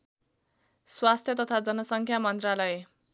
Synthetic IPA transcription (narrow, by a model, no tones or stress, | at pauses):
swast̪ʰjʌt̪ʌt̪ʰad͡zʌnʌsʌŋkʰjamʌnt̪ralʌje